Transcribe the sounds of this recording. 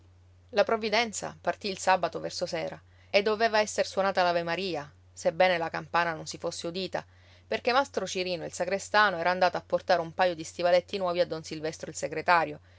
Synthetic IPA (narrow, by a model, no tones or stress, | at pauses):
lapɾovːid̪ɛnt̪sa̰part̪iːlsabat̪ovɛrsosɛːɾa | ed̪ːoveːvaɛsːerswonaːt̪alavemaɾiːa | sebːɛːnelakampaːnanonsifosːeud̪iːt̪a̰ | perk̟emast̪ɾot͡ʃiɾiːnoilsaɡɾest̪aːnoɛːɾaːnd̪aːt̪aapːort̪aːɾeumpajod̪ist̪ivalet̪ːinwɔːviad̪ːonsilvɛst̪ɾoilseɡɾet̪aːɾjo